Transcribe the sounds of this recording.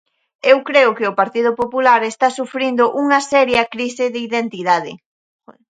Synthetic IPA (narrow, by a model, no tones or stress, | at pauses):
ewkɾeʊkɪʊpaɾt̪iðʊpopulaɾest̪asufɾind̪ʊʔuŋɐsɛɾjɐkɾisɪðɪiðent̪iðað̞ɪ̰